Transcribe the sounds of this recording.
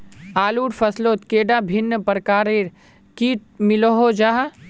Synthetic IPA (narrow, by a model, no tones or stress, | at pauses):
aːluːʈpʰɐsloːt̪keːɖabʱɪnːəpəɾəkaːɾeɾ | kiːʈ̚mɪloɦod͡ʒaːɦa